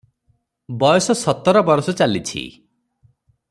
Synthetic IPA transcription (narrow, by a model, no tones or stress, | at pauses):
bɔjɔsɔsɔt̪ɔɾɔbɔɾsɔt͡ʃalit͡ʃʰḭ